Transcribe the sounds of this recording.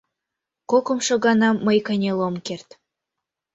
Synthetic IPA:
kokɤ̆mʃŏɣɑnɑmːəjkɑnʲelomkert̪

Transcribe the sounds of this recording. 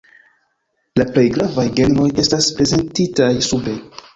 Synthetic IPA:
laple̞jɡɾavajɡe̞nɾo̞je̞staspɾe̞ze̞ntitajsube̞

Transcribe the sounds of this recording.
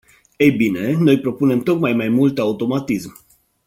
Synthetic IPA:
ejbine̞no̞jpɾo̞pune̞mt̪o̞kmajmajmult̪aut̪o̞mat̪ism

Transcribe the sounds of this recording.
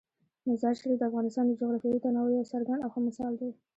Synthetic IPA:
mazɑʃɾid̪əafɣɑnɪst̪ɑnd̪əd͡ʒʊɣɾɑfjajut̪anawajasaɾɡaɳɖawxəmɪsɑld̪aj

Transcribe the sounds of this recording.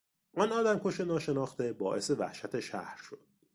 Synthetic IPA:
ʔɒːnɒːd̪æmkʰo̞ʃenɒːʃe̞nɒːxt̪e̞bɒ̰ːʔe̞sevæ̰hʃæt̪ʰe̞ʃæ̰hɾʃo̞d̪̥

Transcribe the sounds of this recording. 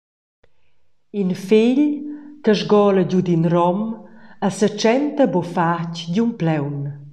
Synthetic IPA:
infiʎkəʒɡɔːləɟud̪inrɔməsət͡ʃɛnt̪əbofacɟumplɛwn

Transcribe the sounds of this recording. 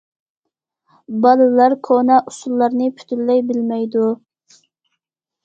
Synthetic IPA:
bɑlˠɨlɑɾkʰonɛʔusulˠːɑɾnɨpʰy̥t̪ʰylːɛjbɪlmɛjd̪u

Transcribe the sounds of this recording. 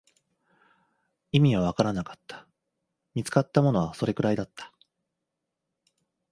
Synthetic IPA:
imʲiβaβ̞akaɾanakḁt̪ːḁ | mʲit͡sɨ̥kat̪ːamo̞no̞βaso̞ɾe̞kɯ̟ɾaid̪at̪ːḁ

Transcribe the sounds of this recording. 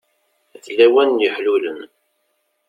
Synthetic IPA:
θlːæwænəħluləm

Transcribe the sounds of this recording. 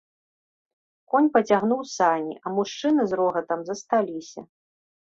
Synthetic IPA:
kɔnʲpɐt͡sʲaɣnuwsanʲḭʔɐmuʂt͡ʂɨnɨzɾɔɣɐt̪ɐmzɐst̪alʲisʲɐ̰

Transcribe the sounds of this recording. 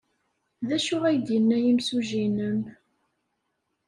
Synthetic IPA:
ðæʃʊʁæjd̪jənːæjimsuʒinəm

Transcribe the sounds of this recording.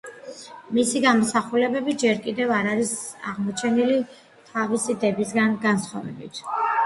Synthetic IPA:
misiɡamɔsaχulɛbɛbid͡ʒɛɾkʼid̪ɛvaɾaɾisa̰ʁmɔt͡ʃʰɛnili | t̪ʰavisid̪ɛbisɡanɡansχɔvɛ̰bḭt̪ʰ

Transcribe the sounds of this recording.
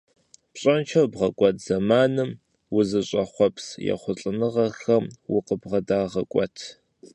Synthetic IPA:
pɕʼɐnt͡ʃʰɐwbʁɐkʷʼɔtʰz̥ɐmaːnɨm | wʊzɨɕʼɐχʷɔpsjɛ̰χʷʊɬʼɨnɨʁɐxɐmwʊqəbʁɐdaːʁɐkʷʼɔ̰tʰ

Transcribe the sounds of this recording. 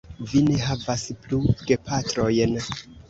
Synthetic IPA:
vine̞ɦavaspluɡ̥e̞pʰatɾo̞jn

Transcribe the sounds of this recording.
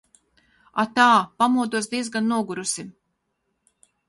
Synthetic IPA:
a̰t̪aːpamuɔd̪uɔsd̪iɛzɡanːuɔɡuɾusim

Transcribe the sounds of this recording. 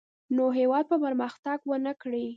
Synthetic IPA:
noɦewɑd̪̚pəpəɾməxt̪aɡwənəkɽi

